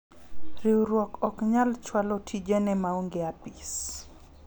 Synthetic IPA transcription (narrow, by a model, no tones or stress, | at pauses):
ɾiwɾwɔkɔkɲalt͡ʃwalɔtʰid͡ʒɛnɛmauŋɡeapis